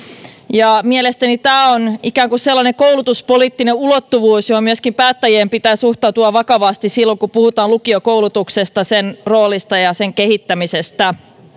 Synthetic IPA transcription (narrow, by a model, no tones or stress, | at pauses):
jɑmielest̪ænit̪æːonikæːŋkusselːɑneŋkoulut̪uspoliːt̪ːineulot̪ːuʋuːsjohomyøskimpæːt̪ːæjeːmpit̪æːsuht̪ɑut̪uɑʋɑkɑʋɑst̪issilːoŋkupuhut̪ɑːlukiokoulut̪uksest̪ɑsenroːlist̪ɑjɑseŋkehit̪ːæmisest̪æ